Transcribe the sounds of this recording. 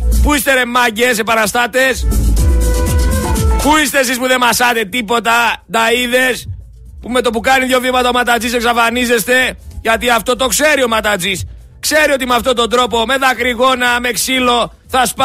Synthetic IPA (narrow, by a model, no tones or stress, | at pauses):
puist̪e̞ɾe̞mːɐɟese̞pɐɾɐst̪ɐt̪e̞s | puist̪e̞s̬ispuðe̞mɐsɐt̪e̞t̪ipo̞t̪ɐd̪ɐiðe̞s | pume̞t̪o̞pukɐniðʝo̞vimɐt̪ɐo̞mɐt̪ɐt͡siseksɐfɐnize̞st̪e̞ʝɐt̪iɐft̪o̞t̪o̞kse̞ɾio̞mɐt̪ɐt͡sis | kse̞ɾio̞t̪imɐft̪o̞t̪o̞nd̪ɾo̞p̬o̞me̞ðɐkɾiɣo̞nɐme̞ksilo̞ | θɐsp